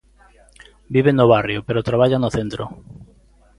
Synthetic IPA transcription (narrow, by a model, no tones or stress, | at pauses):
biβenoβarjopeɾot̪ɾaβaʎanoθent̪ɾo